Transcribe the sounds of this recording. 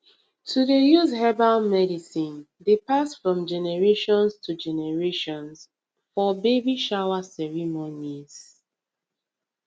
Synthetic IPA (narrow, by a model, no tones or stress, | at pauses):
tʰudejuzhɛbalmɛdisĩn | depasfɹɔ̃md͡ʒɛnɛɹeʃɔ̃nstʰud͡ʒɛnɛɹeʃɔ̃ns | fɔbebiʃawasɛɹimoniz